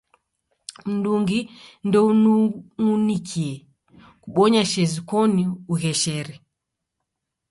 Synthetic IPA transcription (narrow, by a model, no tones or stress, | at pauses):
m̩duŋɡindɔunuŋunikʰiɛ | kuɓɔɲaʃɛzikɔniuɣɛʃɛɾɛ